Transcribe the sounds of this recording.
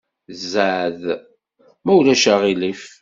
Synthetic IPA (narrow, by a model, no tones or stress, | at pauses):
zaʕð | mæwlæʃæʁilif